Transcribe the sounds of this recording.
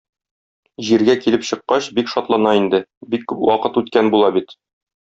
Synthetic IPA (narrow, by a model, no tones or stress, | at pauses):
ʑiɾɡækilɘpɕɤ̆qːɑɕbikʃɒt̪lˠɑnɑind̪ɘbikːʉpwɒqɤt̪ʉt̪kænbulˠɑbit̪